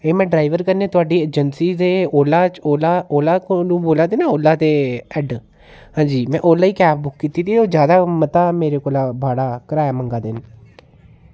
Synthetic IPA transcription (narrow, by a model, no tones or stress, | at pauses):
eːmɛ̃ːɖɾaːiʋəɾkəɾneːt̪ʊaːɖiːeːd͡ʒənsiːd̪eːoːlaːt͡ʃoːlaːoːlaːknũːboːlãːd̪iːnaːoːlːaːt̪eːɛːɖ | ɦãːd͡ʒiːmɛ̃ːʔoːlaːiːkɛːp̚bʊkːkiːt̪iːt̪iːoːzjaːd̪aːmət̪aːmeːɾeːkoːlaːbʱaːɽaːkəɾaːjaːməŋɡaːd̪ɪn